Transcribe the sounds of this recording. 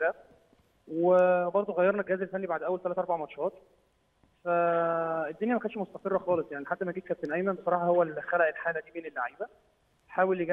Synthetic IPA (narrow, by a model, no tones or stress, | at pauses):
æ | webɑɾˤd̪ˤoɣæjːɑɾˤnæɡæhæːzelfænːibaʕd̪ʔæwælt̪ælæt̪ʔɑɾˤbaʕmɑt̪ʃæːt̪̚ | fæed̪ːonjæmækæːnʃmost̪æqerˤːɑxɑːlesˤjaʕniħat̪ːæmæɡiːt̪kæp̚t̪enʔæjmænbesˤɑɾˤɑːħɑhowːælxælæʔelħaːlæd̪iːmenelːaʕiːbæ | ħaːweljeɡæ